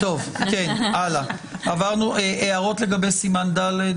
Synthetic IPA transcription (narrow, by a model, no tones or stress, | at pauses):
t̪o̞vkenʔala | avaʁnuʔeʔeaʁo̞t̪le̞ɡabejsimand̪ale